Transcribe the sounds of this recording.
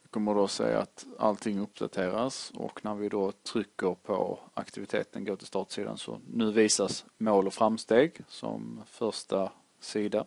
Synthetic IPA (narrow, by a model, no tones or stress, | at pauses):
kʰɔmːəɖosɛ̰ja̰at̪a̰lt̪ʰɪŋːɵpd̪at̪ʰeːɾasɔ̰knæɾvɪd̪ot̪ʰɾʏkːəɾpʰɔ̰akt̪ɪvɪt̪ʰḛːt̪ənɡoːʈ̪ʰɪlst̪ɑːʈ̪siːd̪a̰nsɔ̰nʉ̟ːviːsasmoːlɔfɾamst̪eːɡsɔ̰mfœɾʂʈa | siːd̪a